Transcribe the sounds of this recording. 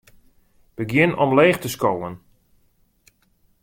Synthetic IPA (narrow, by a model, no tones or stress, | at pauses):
b̥əɡjɪnɔmleːxtəskoːən